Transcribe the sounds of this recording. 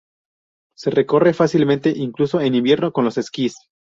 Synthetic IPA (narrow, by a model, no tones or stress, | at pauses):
se̞reko̞re̞fasilmẽnt̪e̞ʔiŋkluso̞e̞nĩmbje̞ɾno̞ko̞nlo̞se̞skis